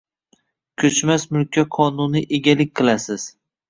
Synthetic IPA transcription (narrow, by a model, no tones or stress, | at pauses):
kʲʰɵt͡ʃmasmʊlkʲʰaqʰɒnʊnɪʔeɡʲalɪk̚ʲqʰɨlasɪz̥